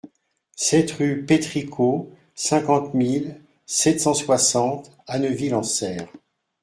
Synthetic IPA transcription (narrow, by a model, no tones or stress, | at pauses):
sɛt̪ʁypet̪χikʰo | sɛ̃kɑ̃t̪mil | sɛt̪sɑ̃swasɑ̃t̪ | anəvilɑ̃sɛːʁ